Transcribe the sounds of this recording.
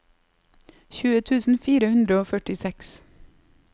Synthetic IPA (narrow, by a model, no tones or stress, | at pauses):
çʉːət̪ʰʉːsn̩fiːɾəhʉnd̪ɾəoːfœʈɪsɛks